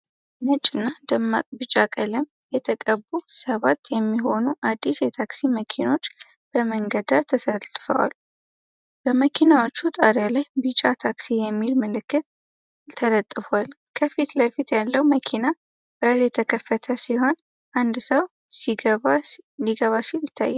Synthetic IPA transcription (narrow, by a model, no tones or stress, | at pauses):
nət͡ʃʼɨnːad̪əmːa̰bɨt͡ʃʼːakʼələm | jɛt̪ʰəkʼəbusəβat̪ːjɛmːiɦo̞nuʔad̪ːisjɛt̪ʰaksiməkʰino̞t͡ʃː | b̥əməŋɡəd̪aɾt̪ʰəsəlfə̰wa̰lu | b̥əməkʰinawot͡ʃːut̪ʼaɾjalajbɨt͡ʃʼat̪ʰaksijɛmːilməlɨkːɨt̪̚ | t̪ʰːələt̪ʼːɨfal | kʰəfit̪ləfit̪jalːəwməkʰina | b̥əɾjɛt̪ʰəkʰəfːət̪ʰəsiho̞n | ʔand̪səw | liɡəβasiljɪt̪ʰːa̰jːa